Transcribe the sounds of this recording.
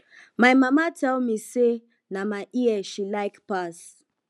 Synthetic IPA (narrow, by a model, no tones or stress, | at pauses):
majmamatɛlmise | namaʔieʃilaɪkpas